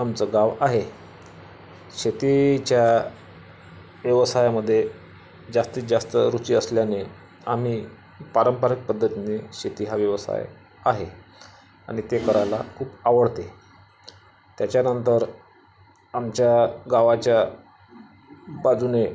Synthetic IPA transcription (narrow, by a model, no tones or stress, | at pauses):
amt͡səɡaʋaɦe | ɕet̪it͡ɕja | ʋjəʋsajaməd̪ʱːje | d͡zast̪iːd͡zast̪əɾut͡ɕiːəsljane | a̰m̤iː | paɾəmpaɾik̚pəd̪ːət̪ineɕet̪iːɦaʋjəʋəsa̰j | a̰ɦe | aɽ̃it̪ekəɾajla̰kʰuːpaʋəɽt̪e | t̪jat͡ɕjanənt̪əɾ | amt͡ɕjaɡaʋat͡ɕja | bad͡zune